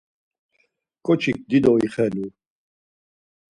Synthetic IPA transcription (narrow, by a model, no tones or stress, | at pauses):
kʼɔt͡ʃʰik̚d̪id̪ɔiχɛlu